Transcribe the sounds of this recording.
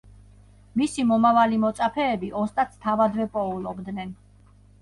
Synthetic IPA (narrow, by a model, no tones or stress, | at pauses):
misimɔmavalimɔt̪sʼapʰɛːbiʔɔst̪ʼat̪st̪ʰavad̪vɛpʼɔulˠɔbd̪nɛn